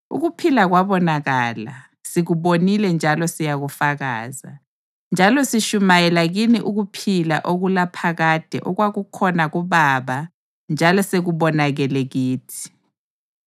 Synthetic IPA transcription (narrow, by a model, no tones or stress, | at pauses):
ṵɣupʰilaɣwaβɔnaɣaːla̰ | siɣuβonilɛnd͡ʒʱalɔsijaɣufaɣa̰ːza̰ | nd͡ʒʱalɔsiʃumajɛlaɣiniʔuɣupʰila̰ʔoɣulapʰaɣad̥ʱɛ̰ʔɔɣwaɣukʰɔnaɣuβaβa | nd͡ʒʱalɔseɣuβɔnaɣɛlɛɣiːtʰi̥